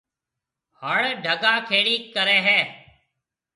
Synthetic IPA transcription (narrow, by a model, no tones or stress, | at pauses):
həɭɖʱəɡaːkʰeːɽiːkəɾeːɦɛː